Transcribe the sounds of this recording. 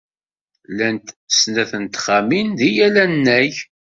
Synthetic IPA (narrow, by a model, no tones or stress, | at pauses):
lænt̪snæθənt̪χaminðijælænːæj